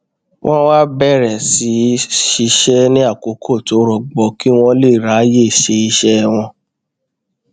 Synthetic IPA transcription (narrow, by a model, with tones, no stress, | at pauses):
wʔɔ̃˦wa˦bɛ˦˨ɾɛ̃˨si˨˦ʃi˧ʃɛ˦nĩ˦a˦˨ko˨˦kʰo˦˨to˨˦ɾɔ˨ɡ͡bɔ˨˦ki˦w̃ɔ̃˦le˦˨ɾa˨˦je˦˨ʃe˧i˧ʃɛ˦˧w̃ɔ̃˧